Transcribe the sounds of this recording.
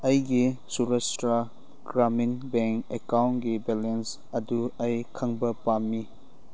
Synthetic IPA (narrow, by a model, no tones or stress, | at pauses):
ɐjɡisuɾestɾa | ɡ̥ɾaminbɛŋkekawnɡibelens | ɐduɐjkʰɐŋbɐpamːi